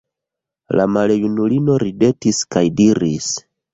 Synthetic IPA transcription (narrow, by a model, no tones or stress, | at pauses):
lamalejunulino̞ɾide̞tiskajdiɾḭs